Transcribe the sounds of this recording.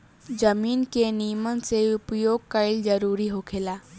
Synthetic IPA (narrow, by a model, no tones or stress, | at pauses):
d͡ʒəmiːnkenijəmənseʊpjoːɡ̚kəɪld͡ʒəɾuːɾiɦokʰeːlaː